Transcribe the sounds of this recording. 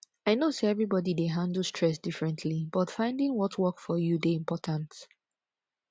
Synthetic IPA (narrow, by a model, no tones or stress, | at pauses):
aɪnoseɛvɹibɔdideɦãndl̩ˠstʰɹ̥ɛsd̥ɪfɹɛ̃ntʰlibʌtfãɪ̃ndɪ̃ŋwɔtʰwɜkfɔjudeĩmpɔtʰãnt